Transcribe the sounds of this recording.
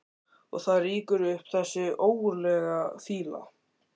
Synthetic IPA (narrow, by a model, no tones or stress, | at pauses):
ɔ̰ɣθaðriːkʏɾʏhpθɛsːɪoːwɣʏɾlɛːɣafiːla̰